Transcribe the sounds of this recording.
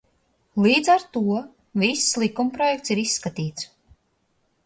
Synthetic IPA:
lˠiːd̪zaɾt̪uɔ | vislˠikumpɾɔjɛk̚t̪siɾisːkat̪iːt̪s

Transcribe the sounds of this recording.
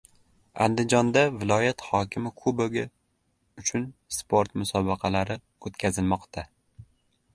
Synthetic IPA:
a̰nd̪ɪd͡ʒɒnd̪avɪlˠɒjat̪hɒkʲʰɪmɪkʰoboɡʲɪ | ʊt͡ʃʰʊnspʰoɾt̪mʊsɒbɑqʰɑlaɾɪ | ot̪kʲʰazɪlmɒqt̪ʰa

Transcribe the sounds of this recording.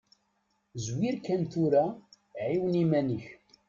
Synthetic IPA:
zwiɾkːænt̪uɾa | ʕiwnimænəç

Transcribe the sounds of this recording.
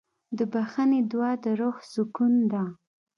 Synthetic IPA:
d̪əbaxəned̪wɑd̪əɾoxsʊkund̪a

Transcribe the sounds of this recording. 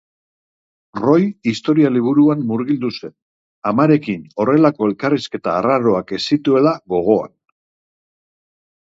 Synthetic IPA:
ro̞jist̪o̞ɾialiβ̞uɾuanːuɾɣild̪use̞n | amaɾe̞kino̞re̞lako̞e̞lkariske̞t̪aːraɾo̞ake̞sit̪ue̞laɣo̞ɣ̞o̞a̰n

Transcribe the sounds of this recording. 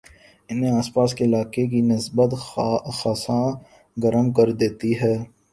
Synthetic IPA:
ɪnɦẽaːspaːskeɪlaːkek̬inɪsbət̪xaːsã | ɡɐɾəmkɐɾd̪eːt̪iɦɛː

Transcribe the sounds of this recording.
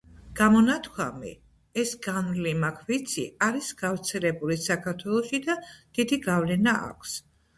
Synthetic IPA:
ɡ̥amɔnat̪ʰkʰwamḭ | ɛsɡanlimakʰvit̪sʰiaɾisɡavɾt̪sʰɛlɛbulisakʰaɾt̪ʰwɛlˠɔʃid̪ad̪̥id̪iɡavlɛnaʔa̰kʰs

